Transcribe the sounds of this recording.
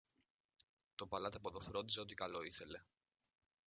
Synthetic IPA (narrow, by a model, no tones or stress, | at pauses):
t̪o̞pɐlɐt̪epot̪ofɾo̞nd̪iseo̞t̪ikɐlo̞iθe̞le̞